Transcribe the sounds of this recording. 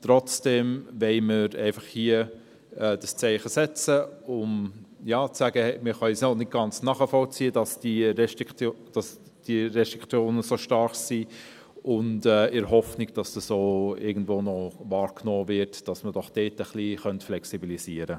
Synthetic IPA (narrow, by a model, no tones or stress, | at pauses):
tɾɔt͡sd̥ɛmvɛɪməɾɛ̰ɪfɑχhiə | ɛːd̥əst͡sɛɪχəsɛt͡səʊmjɑːt͡sːæɡəɛmɪχɑsnɔnɪt̚ɡ̥ɑnt͡snɑːχəfɔlt͡siːədɑsd̥iɾɛʃtd̥ɑs | d̥iɾɛʃtɾ̥ikʰt͡sjoːnəsoːʃtɑɾχsi | ʔʊntɛːɪɾhɔfnɪɡd̥ɑsd̥əsoːɪ̰ɡən̩dvoːnɔvɑːɾknɔːvɪtd̥ɑsməd̥ɔχd̥eːtəχliχœntflɛksibilisiəɾə